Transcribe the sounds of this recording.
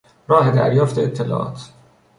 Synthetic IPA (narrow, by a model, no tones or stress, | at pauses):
ɾɒːɦed̪æ̰ɾjɒːft̪eet̪ʰːelɒ̰ːʔɒ̰ːt̪ʰ